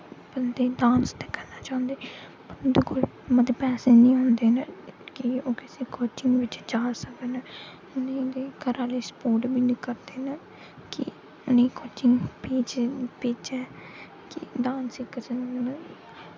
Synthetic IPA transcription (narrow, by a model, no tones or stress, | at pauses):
bənd̪eːdaːnst̪eːkəɾnaːt͡ʃaːʊnd̪eː | pəɾd̪ekol | məd̪epɛːseːnĩːõːnd̪eːnəkɪoːkɪseːkoːt͡ʃɪŋɡʋɪt͡ʃd͡ʒaːsəkːnə | ʊned̪eːkəɾaːleːspoːʈbiːniːkəɾd̪eːnə | kɪ̰ | ʊniːkoːt͡ʃɪŋɡpiːd͡ʒpɪːt͡ʃɛː | kɪ̰daːnsiːkəɾsənnə